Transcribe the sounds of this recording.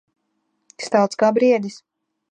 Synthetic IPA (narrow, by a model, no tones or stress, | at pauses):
st̪awˠt̪skaːbɾiɛd̪ʲis